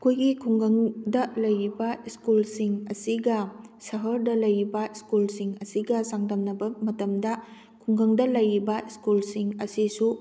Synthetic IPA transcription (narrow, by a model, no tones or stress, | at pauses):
ɐkʰojɡikʰuŋɡɐŋdɐlɐjɾibɐiskulsiŋɐsiɡɐsɐɦɐɾdɐlɐjɾibɐiskulsiŋɐsiɡɐsaŋdɐmnɐbɐmɐtɐmdɐ | kʰuŋɡɐŋdɐlɐjɾibɐiskulsiŋɐsisu